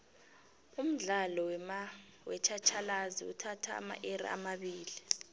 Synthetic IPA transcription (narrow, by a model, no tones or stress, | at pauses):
um̩ɮalɔwɛma | wɛt͡ʃʰat͡ʃʰalaziṵtʰatʰa̰ːma̰ʔerḭa̰maɓiːli